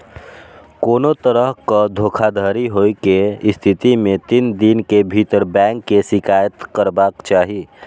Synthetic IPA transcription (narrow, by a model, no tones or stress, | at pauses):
koːnot̪əɾəɦkad̪ʱoːkʰad̪ʱaːɾiɦoːikeɪst̪ʰɪt̪imẽt̪ind̪inkebʱit̪əɾbɛ̃ːŋkːesɪkaːjət̪kəɾbaːkt͡ʃaːɦi